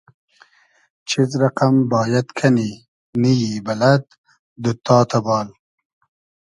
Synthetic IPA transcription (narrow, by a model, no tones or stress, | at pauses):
t͡ʃʰizɾaqambɑːjad̪kʰani | nijibɐlad̪ | d̪ət̪ɑːt̪abɑːl